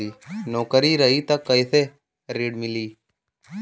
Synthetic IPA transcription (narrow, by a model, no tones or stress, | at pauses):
iːnoːkəɾiɾəɦit̪ɐkːəise | ɾeːɖmɪliː